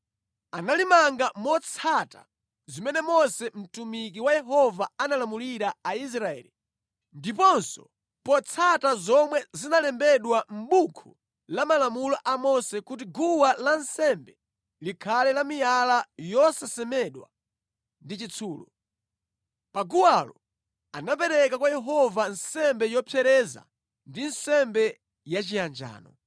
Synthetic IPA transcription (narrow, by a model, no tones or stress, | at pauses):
analimaŋɡamɔt͡sʰata̰ | zimɛnɛmɔsɛm̩tumikiwajɛɦɔvaanalamuliɾaais̬ɾaɛ̰ːli | ndipɔnsɔ̥̰ | pɔt͡sʰatazɔmwɛzinalɛmbɛɗwam̩ɓukʰu | lamalamulɔʔamɔsɛkut̬iɡuwalansɛmbɛ | likʰalɛlamijalajɔsasɛmɛɗwa̰ | ndit͡ʃit͡sʰuːlɔ̰ | paɡuwalɔ | anap̬ɛɾɛkakwajɛɦɔvansɛmbɛjɔpʰjɛɾɛza̰ | ndinsɛmbɛ | jat͡ʃijand͡ʒa̰ːnɔ̰